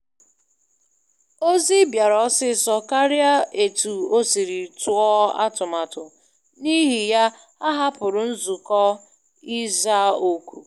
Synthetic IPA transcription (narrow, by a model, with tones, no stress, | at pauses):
o˦zi˦bja˨ɾɔ˦sɪ˦sɔ˦ka˦ɾɪ˦a˦e˨tu˨o˦si˨ɾi˨tu˦ɔ˦a̰˦tʊ˨ma˨tʊ˨ | ni˦ɦi˨ja˦ | a˦ɦa˦pʊ˨ɾʊ˨n̩˦zu˨kɔ˦ | i˦za˦o˦kʷu˨